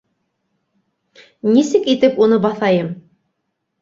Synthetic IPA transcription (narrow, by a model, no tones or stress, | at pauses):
nisɘkit̪ɘpunɤbɑθɑjɤm